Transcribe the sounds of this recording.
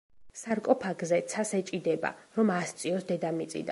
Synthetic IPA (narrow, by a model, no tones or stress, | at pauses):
saɾkʼɔpʰaɡzɛt̪sʰasɛt͡ʃʼid̪ɛba̰ɾɔmast̪sʼiɔsd̪ɛd̪amit̪sʼḭd̪a̰